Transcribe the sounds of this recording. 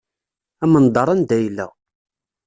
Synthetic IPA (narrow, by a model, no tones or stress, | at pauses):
æmənd̪ˤɑɾˤɑnd̪æjlːæ̰